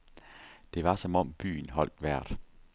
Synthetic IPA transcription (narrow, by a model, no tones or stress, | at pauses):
d̥e̝ʋɑ̈sɒ̽mɒ̽m̰b̥y̰ːn̩ɦɒ̽l̰d̥ʋæɐ̰d̥